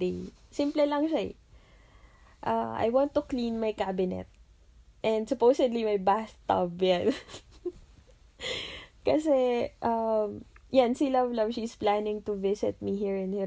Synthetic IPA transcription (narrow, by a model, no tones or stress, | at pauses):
ejsimplɛlɐŋʃa̰ | ʔaʔa̰jwɑ̃nt̪ːʊklĩnmɐjkabɪnɛ̰t̪̚ | ʔɛnd̪sʊpowsɛd̪limɐjbast̪ːɐ̰bjan | kɐsɛʔɐmjansilɐvlɐvʃisplanɪ̃ŋt̪ʊvɪsɪt̪̚miɦiɹɪnhɛ